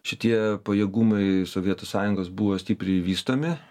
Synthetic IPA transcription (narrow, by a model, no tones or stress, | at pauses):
ʃʲɪt̪ʲiɛpɐjɛːɡuːmɐɪsoʋʲiɛt̪oːssɑːjʊŋɡoːsbuʋoːsʲt̪ʲiːpʲɾʲɛɪʋʲiːst̪oːmʲɪ